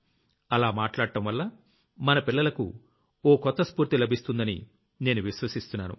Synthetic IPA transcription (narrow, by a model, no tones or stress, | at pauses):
ɐlaːmaːʈlaːɽʈɐmʋɐlːɐ | mɐnɐpilːɐlɐkṵ | oːkɔt̪ːɐspuːɾt̪ilɐbʱist̪und̪ɐnḭ | ne̞ːnuʋiʃʋɐsist̪unːaːnṵ